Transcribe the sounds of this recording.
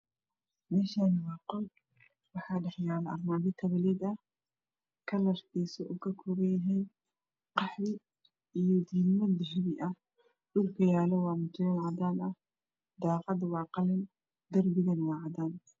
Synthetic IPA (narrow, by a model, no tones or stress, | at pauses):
mɛːʃaːnɐwɑːqɔl | wɑħɑːɖɛħjaːlɐʔɐrmaːðɪt̪ʰɐβɪlɛd̪ɐh | kʰɐlɐrt̪iːsɔʔʊɣɐkʰʊɾɛjɐɦɛːn | qɑħβɪ | ijɔd̪iːnmɐd̪ɪɦɛβɪʔɐ | ɖʊlkʰɐjaːlɛwɑːmʊt̪ʰɪlɐnʕɑdaːnɐ | d̪ɑːqɑd̪wɑːqɑlɪn | d̪ɐrbɪɣɐnwɑːʕɑd̪aːn